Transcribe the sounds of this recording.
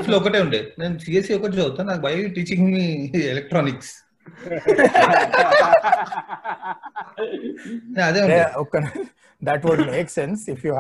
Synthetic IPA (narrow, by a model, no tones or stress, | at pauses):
floɔkɐʈeːuɳʈenensiːesiɔkəʈawt̪anaːbɐjjuʈiːt͡ʃĩŋmielek̚ʈɾɔːniks | neɐd̪eũeokən | d̪æʈʋɔɖmeːksẽnsɪfju